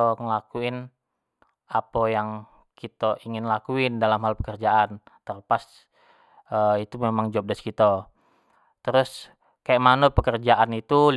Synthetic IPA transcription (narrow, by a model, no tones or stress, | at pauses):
oŋəlakuɪn | apojaŋ | kit̪oʔiŋɪnlakuɪndalamhalpəkərd͡ʒaʔan | t̪ərpas | əit̪umemaŋd͡ʒap̚daskit̪o | t̪əɾʊs | kajaʔmanəpəkərd͡ʒaʔanit̪ul